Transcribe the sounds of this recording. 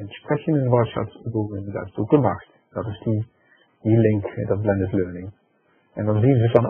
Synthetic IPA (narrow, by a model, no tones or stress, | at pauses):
ɛnsprɛxjənənʋɔsa̰tstəbuənda̰ɪstok̚dəmaxt | d̥ɔtɪsdi | dilɪŋkdɔt̚blɛndətløːnɪŋ | ɛndɑnzinzəfɔn